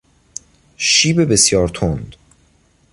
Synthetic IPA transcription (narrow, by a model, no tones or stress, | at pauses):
ʃiːbebesjɒːɾt̪ʰond̪̥